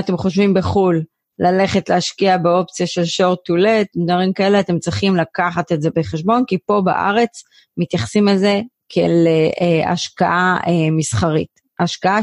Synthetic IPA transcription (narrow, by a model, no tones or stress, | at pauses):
ate̞mχo̞ʃvimbeχulː | ale̞χe̞tleaʃkiabeo̞p̚t͡sijaʃe̞lʃo̞ʁtule̞t̪̚dvaʁimkae̞leat̪e̞mt͡sʁiχimlakaχatetze̞beχeʃbo̞nkipo̞ba̰ʔa̰ʁe̞t͡s | mit̪jaχsimalze̞ | kʰḛleʔea̰ʃkaʔaemisχaʁḭt | aʃkaa